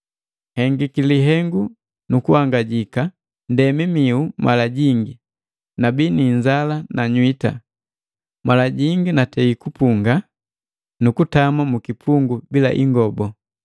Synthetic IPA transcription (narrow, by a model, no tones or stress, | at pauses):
hɛŋɡikiliɦɛŋɡu | nukuhaŋɡaɟika | ndɛmimiumalaɟiŋɡi | nabiniɲd͡ʒalanaɲwita̰ | malaɟiŋɡinatɛikupuŋɡa | nukutamamukipʰuŋɡubila̰ʔiŋɡɔbɔ